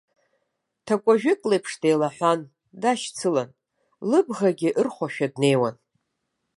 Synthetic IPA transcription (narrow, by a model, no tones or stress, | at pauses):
tʰakʷʼaʒᶣɪkʼlejpʰʂdejlaħʷan | daʃt͡sʰɨlan | lɨbʁaɡʲɪʔɨrχʷaʃᶣadne̞jwan